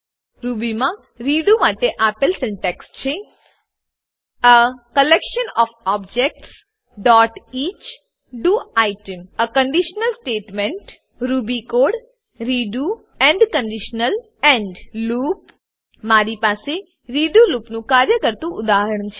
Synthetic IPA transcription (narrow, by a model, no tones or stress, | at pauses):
ɾubimã | ɾiɖumaʈeʔapəlsɛ̃ɳʈekst͡ʃʰe | əkəlekʃənɔfɔb̚d͡ʒek̚ʈs | ɖɔʈit͡ʃ | ɖuajʈəməkəɳɖiʃnəlsʈeʈmẽɳʈ | ɾubikoɽ | ɾiɖu | ɛ̃ɳɖkəɳɖiʃnəl | ɛ̃ɳɖlup | maɾipase | ɾiɖulupnũkaɾjəkəɾt̪ũʔʊd̪aɦəɾəɳt͡ʃʰe